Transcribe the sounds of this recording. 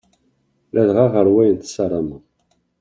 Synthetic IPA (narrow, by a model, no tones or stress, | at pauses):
læðʁɑʁəɾwæjənt̪sɑɾˤɑmə